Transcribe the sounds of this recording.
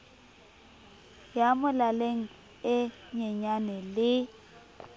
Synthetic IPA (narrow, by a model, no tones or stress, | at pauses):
jamʊlaleŋ̩ | ɪ | ɲɛɲanɛlɪ